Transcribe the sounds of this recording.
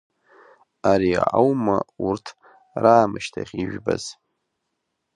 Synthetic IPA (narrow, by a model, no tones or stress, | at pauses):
aɾiʕawmaurtʰ | raːmɨʃtʰaχʲiʒᶣbaz̥